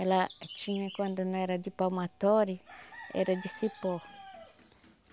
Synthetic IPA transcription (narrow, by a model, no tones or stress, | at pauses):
elat͡ʃinekwand̪onõɛɾad̪ipamat̪oɾiɛ̰ɾad̪isipo